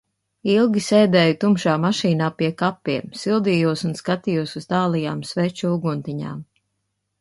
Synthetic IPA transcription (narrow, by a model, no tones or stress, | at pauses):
ilˠɡʲiseːd̪ɛːjut̪umʃaːmaʃiːnaːpiɛkapːiɛmsilˠd̪ijuɔsunskat̪ijuɔsuz̥t̪aːlˠijaːmsvɛt͡ʃuuɡunt̪iɲa̰ːm